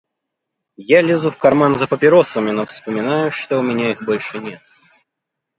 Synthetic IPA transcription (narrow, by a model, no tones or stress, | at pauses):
jalʲɪzufkɐrmanzəpəpʲɪɾo̞səmʲɪnofspəmʲɪnajʊʂt̪oʊmʲɪnʲaixbo̞lʲʂɨnʲe̞t̪̚